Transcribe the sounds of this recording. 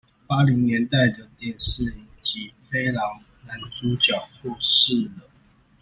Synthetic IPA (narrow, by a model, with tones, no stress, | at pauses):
pa˥li˧˥ŋnjɛ˧˦nt̪a˥˩ɪd̪ə˩t̪jɛ˥˨nʂɻ̩˥˩i˨˩nt͡ɕi˨˦fe˥ɪlɑ˧˥ŋ | na˨˦˥nt͡su˨˦t͡ɕjɑ˨˩ʊkwɔ˥˧ʂɻ̩˥˨lə˩